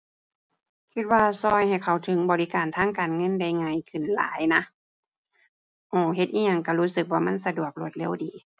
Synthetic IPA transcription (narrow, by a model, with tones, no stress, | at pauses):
kʰi˧t̪̚waː˧sɔː˧˩jha˨˩jkʰa˧˩wt̪ʰɯ˨˦ŋbɔː˨li˦kaː˨˩nt̪ʰaː˧˥˨ŋkaː˨˩nŋɤ˧˥˨nda˧˩jŋaː˧˥˨jkʰɯ˧˩˨nla̰ː˨˦jna˧˥ | ʔɔː˧˩ɦe˧t̪ʔiː˧˥ɲa˧˩ŋka˧˩huː˦˥sɯ˧˦k̚waː˧˩ma˧˥˨nsa˧du˨˩ək̚lu˧ət̪̚le˧˥˨wdiː˨˩˦